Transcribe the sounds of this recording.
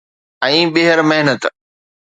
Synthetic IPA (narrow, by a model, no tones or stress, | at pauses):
ɛ̃ːɓeɦəɾmeɦnət̪